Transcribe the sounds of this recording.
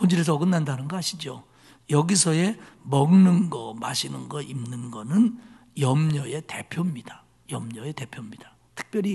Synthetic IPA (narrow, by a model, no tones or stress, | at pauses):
pond͡ʑʰiɾes̬ʰʌːɡɯnːandanɯnɡʌaɕʰid͡ʑo | jʌɡisʰʌe̞mʌɡnɯnɡʌma̰ɕʰinɯnɡʌʔimnɯnɡʌnɯn | jʌmɲʌe̞te̞pʰjomɲida | jʌmɲʌe̞te̞pʰjomɲid̥a | tʰɯ̥k̚p͈jʌɾi